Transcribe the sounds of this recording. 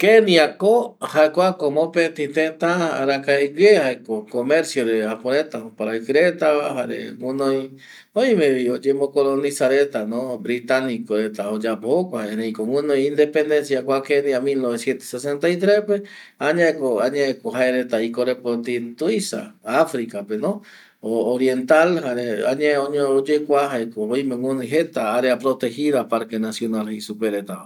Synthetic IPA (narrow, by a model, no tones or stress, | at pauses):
kenĩakohaekʷakomõpet̪it̪et̪aa̰ɾakaeɡehaekokomeɾsjoɾeapoɾet̪aopaɾaekɨɾet̪aβaɦaɾḛŋũnõj | ojmẽβiod͡ʒemokolonisaɾet̪anobɾit̪anikoɾet̪aod͡ʒapohokʷaenejkoŋũnõj̃ĩnd̪epend̪ensjakʷakenĩamilnoβesjent̪o̥sesent̪ajt̪ɾespe | aɲãekoaɲẽekoɦaeɾet̪aikoɾepot̪int̪uisa̰afɾikapenõ | oːɾjent̪alhaɾea̰ɲeoɲood͡ʒekʷaɦaekoojmẽŋũniɦet̪aaɾeapɾot̪ehiðapaɾkenasjonalhisupeɾet̪a